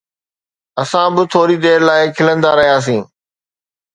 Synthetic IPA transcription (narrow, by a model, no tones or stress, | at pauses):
ɐsãbɪt̪ʰoːɾid̪eːɾlaːɪkʰɪlə̃nd̪aɾɐɦijaːs̬ĩː